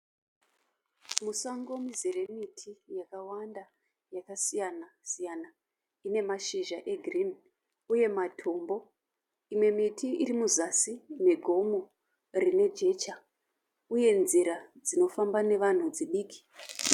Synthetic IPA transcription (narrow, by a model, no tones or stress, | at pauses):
musaŋɡo̞mizere̞mitʰijakawanda | jakasijanasijana | ine̞maʃiʒaʔe̞ɡʱrin | uje̞matʰo̞mbo̞ | imwe̞mitʰiirimuzasine̞ɡʱo̞mo̞ | rine̞d͡ʒe̞t͡ʃa | uje̞nziɾad͡zino̞fambane̞ʋan̤ud͡ziɗiːki̥